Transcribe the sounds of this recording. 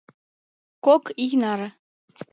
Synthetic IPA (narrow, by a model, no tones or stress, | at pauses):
kokijnɑɾɤ̆